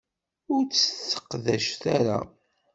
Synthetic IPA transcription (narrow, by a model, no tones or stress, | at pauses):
ʊɾt͡sːəθə̥qðæʃθaɾa̰